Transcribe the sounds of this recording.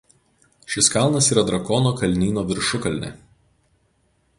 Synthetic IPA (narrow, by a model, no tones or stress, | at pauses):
ʃʲɪskɑˑlˠnɐsiːɾɐd̪ɾɐkɔnoːkɐlʲnʲiːnoːʋʲɪɾʃʊkɐlʲnʲɛ̰